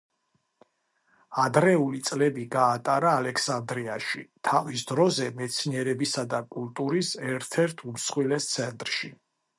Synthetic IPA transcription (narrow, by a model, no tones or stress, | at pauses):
ad̪ɾɛulit̪sʼlɛbiɡaːt̪ʼaɾaːlɛksand̪ɾiaʃit̪ʰavisd̪ɾɔzɛmɛt̪sʰniɛɾɛbisad̪akʼult̪ʼuɾisɛɾt̪ʰɛɾt̪ʰumsχwilɛst̪sʰɛnt̪ʼɾʃi